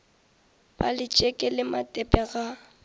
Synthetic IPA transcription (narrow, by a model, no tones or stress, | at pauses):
b̥a̰lɪt͡ʃʼɛkʼɪlɪmatʼɛpʼɛɣa